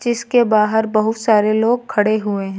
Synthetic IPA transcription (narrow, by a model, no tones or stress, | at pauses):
ɪskebaːɦəɾbɐɦʊt̪saːɾeloːɡ̚kʰɐɽeɦʊeɦɛ̃